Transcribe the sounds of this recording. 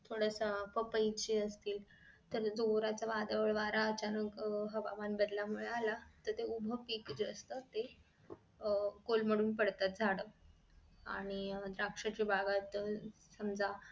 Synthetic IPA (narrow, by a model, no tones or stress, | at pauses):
t̪ʰoɽasapəpəjt͡ɕiːəst̪iːl | t̪əɾd͡zoɾat͡saʋad̪ʋəɭʋaɾaət͡ɕanəkɦəbaʋanbəd̪lamuɭealat̪əɾt̪eubʱəpiːkd͡zəst̪ət̪e | kolməɽuːnpəɽt̪at̪̚d͡zʱaɽəː | a̰ɽ̃id̪ɾakʂat͡ɕibaɡat̪səmd͡zʱa